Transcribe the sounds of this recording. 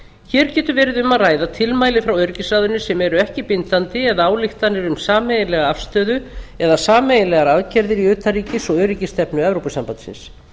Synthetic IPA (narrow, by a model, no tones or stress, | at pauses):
çɛːɾcɛːt̪ʏɾvɛːɾɪðʏmaðraːjðat̪ʰɪlmaːjlɪfɾawœɥɾicɪsaːðʏnɪsɛmɛɾʏɛhcɪpɪnt̪ant̪ɪɛðaaːwlɪxt̪anːɪɾʏmsaːmejɪnlɛɣaafst̪œːðʏɛðasaːmejɪnlɛɣaɾaðcɛɾðɪɾiʏːt̪ʰariːcɪsɔœːɥɾicɪst̪ɛpnʏɛvɾopʏsampant̪sɪ̰ns